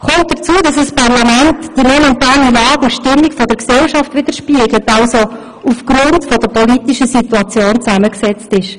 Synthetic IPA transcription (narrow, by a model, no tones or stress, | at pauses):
kɔmt̚d̥ət͡suədɑsəspɑʁlɑmɛntd̥imomɛntaːlilɑːɡuʃtɪmːikfɔdəɾksɛlʃɑftʋɪd̥əɾʃpiəɡlətɑʊso | ufɡ̥ɾʊntfɔdəɾpʰɔlitiʃəsituɑt͡sjoːnt͡sæməksɛt͡stɪʃ